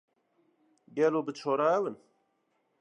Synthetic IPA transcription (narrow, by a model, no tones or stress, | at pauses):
ɡɛloːbɨt͡ʃʰoːɾaɛwɨn